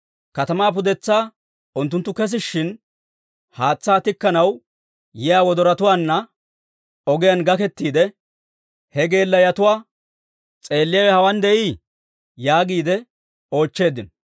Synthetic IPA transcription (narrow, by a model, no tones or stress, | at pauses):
kɐt̪ɐmaːp̬ʊd̪ɛt͡sːaː | ʊnt̪ːʊnt̪ːʊkɛs̬ɪʃːɪn | haːt͡sːaːt̪ɪkːɐnɐw | jɪjaːwɔd̪ɔɾɐt̪ʊwaːnːɐ | ɔɡɪjɐnɡɐkɛt̪ːiːd̪ɛ | hɛɡe̞ːlːɐjɐt̪ʊwaː | t͡sʼe̞ːlːɪjɐwɛhɐwɐnd̪ɛʔiː | jaːɡiːd̪ɛ | o̞ːt͡ʃːe̞ːd̪ɪn